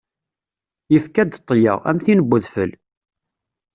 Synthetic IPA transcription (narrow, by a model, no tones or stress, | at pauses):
jəfkæd̪t̪ˤːjə̰ʁæ̰mθinəbːʊðfəl